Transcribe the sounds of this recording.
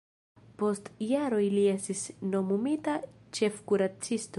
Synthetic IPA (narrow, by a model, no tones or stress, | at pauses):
po̞stjaɾo̞jlie̞stisno̞mumitat͡ʃe̞fkuɾat͡sisto